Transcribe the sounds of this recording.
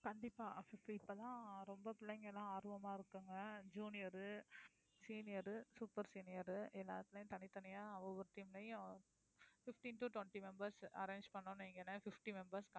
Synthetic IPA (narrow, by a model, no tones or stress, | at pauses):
kɐɳɖɪpːaːfɪfɪpːɐt̪ãːɾɔmbɐpɪlːɐŋɡɐlãːaːɾʋɐmaːɪɾɯkːɯŋɡɐd͡ʒuːnɪjɐɾɯ | siːnɪjɐɾɯsuːpɐɾsiːnɪjɐɾɯɛlːa̰ːt̪ːɪlɐjʊ̃t̪ɐnɪt̪ːɐnɪjaːɐʋɐʋɐɾɯt̪iːmɪlɐjʊ̃ | fɪfʈinʈuːʈʋɛɳʈimɛmbɐɾsɐ̰ɾeːnd͡ʒpɐɳːonːɛŋɡɐnːɐfɪfʈimɛmbɐɾskɐ